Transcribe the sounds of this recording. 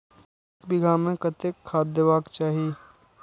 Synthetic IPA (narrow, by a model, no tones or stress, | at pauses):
ekbɪɡaːmẽkət̪ekʰːaːd̪jəʋaːkt͡ʃaːɦieː